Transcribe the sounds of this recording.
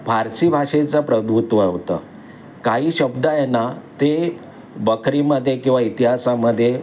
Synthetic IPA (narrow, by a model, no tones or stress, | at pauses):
bʱaɾsiːbʱaʂet͡sapɾəd̪ut̪ʋəɦot̪ə | kaɦiːɕəbd̪ajɛnat̪e | bəkʰɾiməd̪ʱːjekĩw̃ʋait̪iɦasaməd̪ʱːje